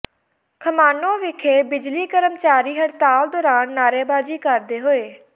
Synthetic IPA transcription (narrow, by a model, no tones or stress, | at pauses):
kʰəmaːnõːʋɪkʰeːbɪd͡ʒliːkəɾəmt͡ʃaːɾiːɦəɾt̪aːld̪ɔːɾaːnːaːɾeːbaːd͡ʒiːkəɾd̪eːɦoːeː